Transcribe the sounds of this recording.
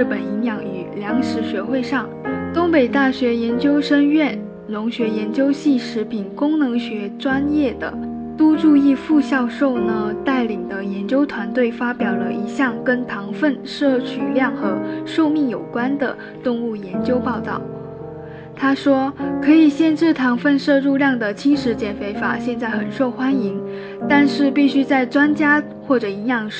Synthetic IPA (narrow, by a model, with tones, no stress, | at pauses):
ɻ̩˥˩pə˨˩ni˧˥ŋjɑ˧˥ŋy˨˩ljɑ˧˥ŋʂɻ̩˧˥ɕɥɛ˧˥xwe˥˧ɪʂɑ˥˧ŋt̪ʊ˥ŋpe˨˩ɪt̪a˥˩ɕɥɛ˧˥jɛ˧˥nt͡ɕjo˥ʊʂə˥ŋɥɛ˥˩n | lʊ˧˥ŋɕɥɛ˧˥jɛ˧˥nt͡ɕjo˥ʊɕi˥˩ʂɻ̩˧˥pʰi˨˩nkʊ˥ŋnɤ˧˥ŋɕɥɛ˧˥ʈ͡ʂwa˥njɛ˥˩d̪ə̰˩ | t̪u˥ʈ͡ʂu˥˧i˥˧fu˥˧ɕjɑ˥˧ʊʂo˥˧ʊnə˩t̪a˥˩ɪli˨˩ŋd̪ə˦jɛ˧˥nt͡ɕjo˥ʊt̪ʰwa˧˥nt̪we˥˩ɪfa˥pjɑ˨˩ʊlə˦i˧˥ɕjɑ˥˩ŋkə˥nt̪ʰɑ˧˥ŋfə˥˧nʂɤ˥˩t͡ɕʰy˨˩ljɑ˥˩ŋxɤ˧˥ʂo˥˧ʊmi˥˩ŋjo˨˩ʊkwa˥nd̪ə̰˨˩ | t̪ʊ˥˧ŋu˥˩jɛ˧˥nt͡ɕjo˥ʊpɑ˥˧ʊt̪ɑ˥˩ʊ | t̪ʰa˥ʂwɔ˥kʰɤ˧˥i˨˩ɕjɛ˥˧nʈ͡ʂɻ̩˥˩t̪ʰɑ˧˥ŋfə˥˧nʂɤ˥˧ɻu˥˧ljɑ˥˩ŋd̪ə˩t͡ɕʰi˥ŋʂɻ̩˧˥t͡ɕjɛ˧˥nfe˧˥ɪfa̰˨˩ɕjɛ˥˧nt͡sa˥˩ɪxə˨˩nʂo˥˩ʊxwa˥ni˧˥ŋ | t̪a˥˧nʂɻ̩˥˧pi˥˩ɕy˥t͡sa˥˩ɪʈ͡ʂwa˥nt͡ɕja˥ | xwɔ˥˩ʈ͡ʂɤ˨˩i˧˥jɑ˥˩ŋ